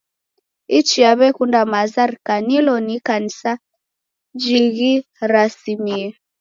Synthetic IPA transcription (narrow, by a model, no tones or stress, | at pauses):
it͡ʃiaβɛkundamazaɾkanilɔnikanisa | d͡ʒiɣi | ɾasimiɛ